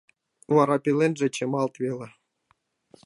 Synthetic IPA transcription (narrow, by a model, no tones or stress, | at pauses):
vɑɾɑpʲilenʐĕt͡ɕemɑlˠt̪vʲelʲĕ